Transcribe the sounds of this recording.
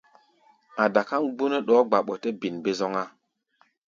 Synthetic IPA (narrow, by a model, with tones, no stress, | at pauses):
a˨da˨ka˦nɡ͡bu˦nɛ˦ɗɔː˨˦ɡ͡ba˨ɓɔ˨te˦bi˨nbe˦zɔ˦ŋa˦